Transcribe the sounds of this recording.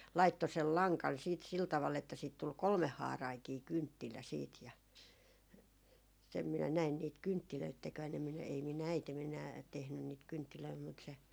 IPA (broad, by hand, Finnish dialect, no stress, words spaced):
lɑitːo sel lɑŋkɑn siːt sil tɑʋɑl etːæ siːt tul kolmehːɑːrɑiŋkiː kyntːilæ siːt jɑ sem minæ næin niːt kyntːiløit tekʋæn em minæ ei min æitem enæː tehnyn niːt kyntːiløi mut se